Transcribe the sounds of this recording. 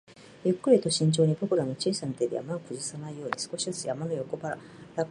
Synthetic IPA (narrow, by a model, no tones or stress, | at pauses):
jɯ̟kːɯ̟ɾʲit̪o̞ɕĩɲ̟t͡ɕo̞ːɲ̟ibokɯ̟ɾano̞t͡ɕiːsamit̪ed̪e̞ja̰maokɯ̟ʑisanaijo̞ːɲisɨ̥ko̞ɕizɨsɨjamanojo̞ko̞baɾa | ɾa